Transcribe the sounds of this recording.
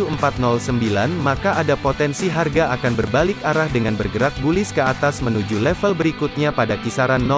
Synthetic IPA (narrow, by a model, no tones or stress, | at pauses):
uəmpat̪̚nɔlsəmbilanmakaʔadapot̪ɛnsiɦarɡaʔakanbərbalɪkaɾahdəŋanbərɡəɾak̚bulɪskəat̪asmənud͡ʒulɛfəlbəɾikut̪̚ɲapadakisaɾanːɔ